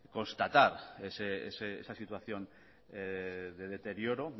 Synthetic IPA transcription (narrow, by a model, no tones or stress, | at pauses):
ko̞nst̪at̪aɾeseḛseḛsasit̪waθjo̞n | eðe̞ð̞e̞t̪e̞ɾjo̞ɾo̞